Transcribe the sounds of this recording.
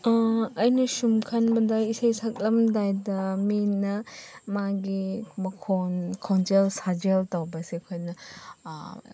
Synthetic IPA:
ɐjnɐsumkʰɐnbɐdɐisejsak̚lɐmdajdɐminːɐmaɡibɐkʰonkʰont͡ʃelsad͡ʒeltawbɐseɐkʰojnɐ

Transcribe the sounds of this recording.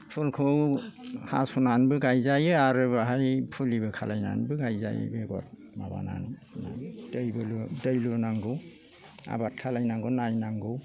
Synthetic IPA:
pʰulkʰɯwha̰sunanbɯɡajzajɯaɾɯbaɦajpʰulibɯkʰalajna̰nbɯɡajza̰j̰beɡɔ̰t̚ | maba̰na̰nna̰dɯjbɯludɯjlunaŋɡɯ | a̰bat̚kʰalajnaŋɡɯnajnaŋɡɯw

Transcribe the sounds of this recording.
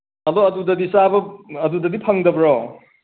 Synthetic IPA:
ɐdɔɐdudɐdisabɐɐdudɐdipʰɐŋdɐbɐɾɔ

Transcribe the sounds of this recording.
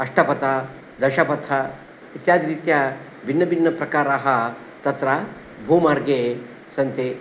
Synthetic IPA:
ɐʂʈʰɐpɐt̪a | d̪ɐʃɐpɐt̪ʰɐ | it̪jaːd̪iɾit̪jɐ | binːɐbinːɐpɾɐkaːɾaːɦɐ | t̪ɐt̪ɾɐ | bʱuːmaːɾɡe | sɐnt̪e

